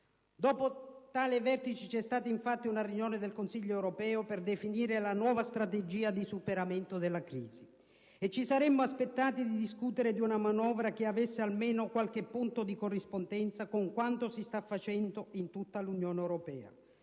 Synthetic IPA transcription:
d̪ɔːpot̪aːlɪvɛrt̪it͡ʃit͡ʃɛst̪aːt̪aiɱfat̪ːiunarjunjoːnɪd̪elkonsiʎːoɛwɾopɛːoperd̪efiniːɾelanwɔːvast̪ɾat̪ed͡ʒiːad̪isupeɾament̪od̪elːakɾḭːzi | et͡ʃːisaɾɛmːoaspet̪ːaːt̪id̪id̪iskut̪eɾed̪iunamanɔːvɾak̟eavesːealmeːnokwalk̟ɪpːunt̪od̪ikorːispond̪ɛnt̪sakoŋkwant̪osist̪afːat͡ʃɛnd̪oint̪ut̪ːalunjoːneɛwɾopɛːa̰

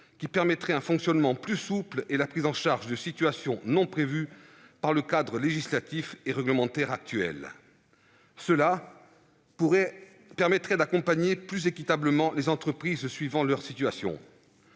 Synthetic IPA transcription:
kʲipɛʁmɛt̪χɛɛ̃fɔ̃ksjɔnmɑ̃plysuplelapχizɑ̃ʃaʁʒd̪əsit̪ɥasjɔ̃nɔ̃pχevypaʁləkad̪ʁəleʒislat̪ifeʁɛɡləmɑ̃t̪ɛʁak̚t̪yɛ̰l | səla | pɛʁmɛt̪χɛd̪akɔ̃paɲeplyzekʲit̪abləmɑ̃lezɑ̃t̪χəpχizsɥivɑ̃lœʁsit̪ɥasjɔ̰̃

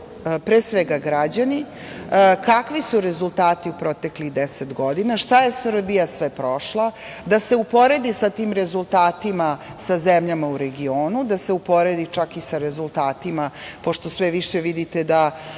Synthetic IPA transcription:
pɾeːsʋeɡaɡɾad͡ʑani | kakʋisuɾe̞zulˠt̪aːt̪iupɾo̞t̪ekliɣd̪eset̪ɡod̪inaʃt̪aje̞sr̩bijasʋepɾo̞ʃlˠa | d̪ase̞upo̞ɾe̞d̪isat̪iːmɾezulˠt̪aːt̪imasazemʎamauɾe̞ɡioːnud̪aseupo̞ɾed̪it͡ʃakisaɾezulˠt̪aːt̪imapo̞ʃt̪o̞sʋeʋiʃeʋid̪it̪ed̪a

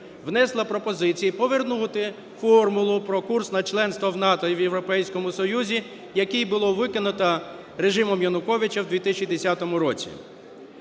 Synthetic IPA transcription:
ʋnɛslˠɐpɾɔpɔzɪt͡sʲijipɔʋernut̪ɪ | fɔrmʊlˠʊpɾɔkursnɐt͡ʃlˠɛnst̪ʋɔwn̪ɑt̪ɔiʋjewɾɔpɛjsʲkɔmʊsɔjuzʲi | jɐkijbʊlˠɔʋɪkɪnʊt̪ɐ | ɾeʒɪmɔmjɐnʊkɔʋʲɪt͡ʃɐwd̪ʋʲit̪ɪsʲt͡ʃʲid̪esʲat̪ɔmʊɾɔt͡sʲḭ

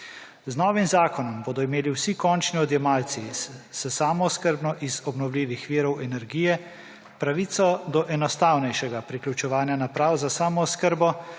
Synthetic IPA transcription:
znɔːʋimzaːkɔnɔmboːd̪ɔimeːliwsikɔnt͡ʃniɔd̪jɛmaːlt̪sissəsaːmɔskəɾbnɔʔizɔbnɔwlʲiːʋixʋiːɾɔwɛnɛɾɡiːjɛ | pɾaʋiːt̪sɔd̪ɔʔɛnɔst̪aːwnɛjʃɛɡapɾiklʲut͡ʃɛʋaːnjanapɾaːwzasaːmɔːskəɾbɔ

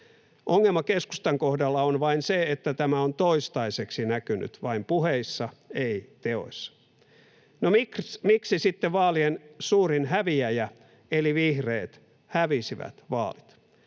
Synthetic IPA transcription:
ʔoŋːelmɑkesku̥st̪ɑŋkohdɑlːɑonʋɑinseet̪ːæt̪æmæont̪oist̪ɑiseksinækyny̰t̪ʋɑimpuheisːɑeit̪eo̞̰isːɑ̥ | nomikmiksisit̪ːeʋʋɑːliensuːrinhæʋiæjæ | eliʋihreːt̪ | hæʋisiʋæ̰t̪ʋɑ̰ːlit̪

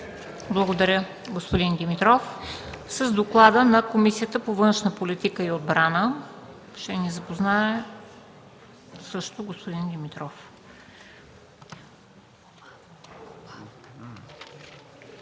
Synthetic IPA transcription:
blˠəɡod̪ɐɾʲə | ɡospod̪ind̪imit̪ɾɔfsəzd̪oklˠad̪ənɐkomisiət̪əpovɤnʃnəpolit̪ikəiod̪̚bɾanə | ʃt̪ɛnizɐpoznaɛ | sɤʃt̪oɡospod̪ind̪imit̪ɾɔf

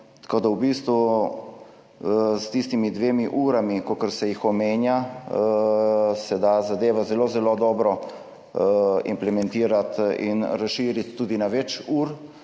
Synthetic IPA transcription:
t̪koːd̪awbiːst̪ʋu | st̪ist̪imid̪ʋeːmiʔuːɾamikokəɾsɛjixɔmeːnja | sɛd̪azad̪eːʋazɛloːzɛloːd̪ɔːbɾɔ | ḭmplɛmɛnt̪iːɾat̪ḭnɾasʃiːɾit̪ːuːd̪inaʋɛt͡ʃuːɾ

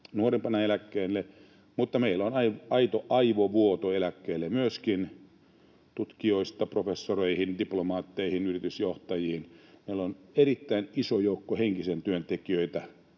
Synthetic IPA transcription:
nuorempɑnɑelækːeːnːe | mut̪ːɑmeilonɑiɑit̪oʔɑiʋoʋuot̪oelækːeːlːemyøskin | t̪ut̪kioist̪ɑprofesːoreihindiplomɑːt̪ːeihinyrit̪ysjoht̪ɑjihinmeilːonerit̪ːæinisojoukːoheŋkisent̪yønt̪ekiøit̪æ

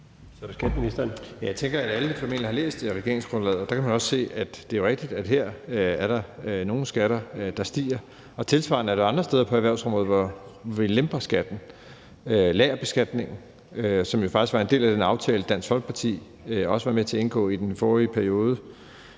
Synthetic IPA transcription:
sɒɾesɡ̥æd̥minisd̥njæjɑ̈ɪt͡sʰeŋɡ̥ɐædæləfɒ̽me̝n̰lihɑ̈lḛːsd̥ʁɛɡ̥e̝ɐ̰e̝ŋsɡ̥ʁɔ̽nlɛ̰ðˠɐd̥ɑ̈kʰæmænɒ̽sse̝̰ːæd̥d̥e̝æoʁɛɡ̥̚d̥id̥æd̥ɦeɐ̰æɐɾɑ̈no̝ːn̩sɡ̥æɾ̥ɐd̥ɑ̈sd̥ḭːɐ | ɒ̽t͡sʰe̝lsʋɑ̰̈nəæɐɾ̥ɑ̈ɑ̈nd̥ʁɐsd̥eːð̞ˠɐpʰɒ̽æɐʋæɐʊsɒ̽mʁɔ̽ð̩ˠʋɒʋilemb̥ɐsɡ̥æd̥n̩ | ølɛːɐb̥e̝sɡ̥æd̥ne̝ŋn̩ | øsɒ̽mjo̝fɑ̈ɡ̥isɡ̥ʋɑ̈ende̝̰ːlæd̥enɑ̈ʊt͡sʰɛːləd̥æn̰sɡ̥fɒ̽lɡ̥̚pʰɑ̈t͡sʰḭː | ɒ̽səʋɑ̈met͡sʰe̝ɐe̝nɡ̥ɔ̰̽ːid̥enfɒːʁiəpʰæɐio̝ːð̞ˠə

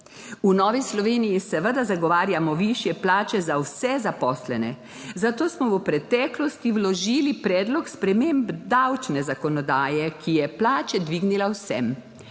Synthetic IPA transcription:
unɔːʋislɔʋeːnijisɛʋəd̪azaɡɔʋaːɾjamɔʋiʃjɛplaːt͡ʃɛzawsɛzapɔːslɛnɛ̰ | zat̪oːsmɔʋəpɾɛt̪ɛːklɔst̪iwlɔʒiːlipɾɛːd̪lɔkspɾɛmeːmbd̪awt͡ʃnɛzakɔnɔd̪aːjɛkʰijɛplaːt͡ʃɛd̪ʋiːɡnilawsɛm

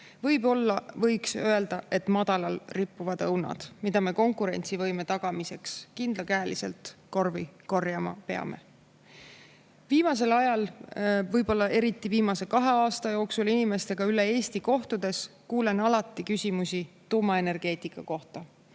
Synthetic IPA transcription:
vɤjbo̞lːɑvɤjksø̞e̞ld̪̥ɑʔe̞t̪mɑd̪̥ɑlɑlripːuvɑd̪̥ɤwnɑ̰d̪̥mid̪̥ɑme̞ko̞ŋkˑuɾe̞̰nʲt̪sivɤjme̞t̪ɑɡ̥ɑmise̞kskind̪lɑkæːlise̞̰lt̪ko̞rviko̞rjɑmɑ̰pe̞ɑ̰me̞̰ | viːmɑs̬e̞lɑjɑlvɤjbo̞lːɑe̞ɾit̪ːˑiviːmɑse̞kɑɦe̞ɑːst̪ɑjo̞ːksulinime̞st̪e̞ɡ̥ɑyle̞e̞ːst̪iko̞ht̪ud̪̥e̞skuːle̞nɑlɑt̪ˑːikysʲimusʲit̪uːmɑe̞ne̞rɡ̥e̞ːt̪ˑikːˑɑko̞ht̪ɑ

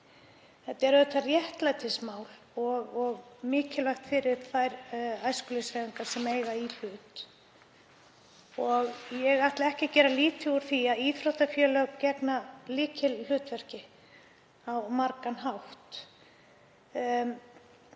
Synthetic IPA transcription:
θɛt̪ːɛɾœt̪ʰarjɛht̪lajt̪ʰɪsmaːwl | ɔɣɔɣmɪːcɪlajxt̪fɪɾɪɾ̥θajɾajskʏlɪsaðiŋkaɾ̥sɛmeːjɣail̥ʏːt̪ | ɔɣjɛɣaht̪laɛhcɪcɛːɾaliːt̪ɪuɾ̥θiaðiːθfɾɔt̪afjœːlœcɛknalɪːcʰɪllʏːt̪vɛr̥cɪ | awmaɾkanɦawht̪

